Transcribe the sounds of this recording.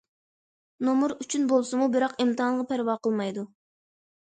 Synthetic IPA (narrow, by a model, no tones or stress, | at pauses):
nomuɾyt͡ʃʰynbolˠsumubɪɾɑqimt̪ɨhɑnˠʁɑpʰæɾwɑːqəlˠmɑjd̪u